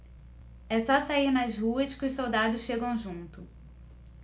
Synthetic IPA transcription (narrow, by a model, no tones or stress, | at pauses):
ɛsɔsaiɾnɐzɦuɐskɪʊʃsowd̪ad̪ʊsʃeɡɐ̃w̃ʒũnt̪ʊ